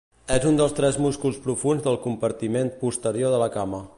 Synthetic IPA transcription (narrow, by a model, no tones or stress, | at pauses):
ɛzund̪əlˠst̪ɾɛzmuskulˠspɾufunzðəlˠkumpəɾt̪imenpust̪əɾijoðələkamə